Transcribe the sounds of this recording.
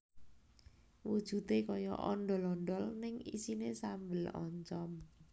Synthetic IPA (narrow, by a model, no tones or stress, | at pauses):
wud̥ʒ̥ṳt̪ekɔjɔ̰ʔɔnɖɔlɔnɖɔlnɪŋḭsinesambəlɔ̰ɲt͡ʃɔm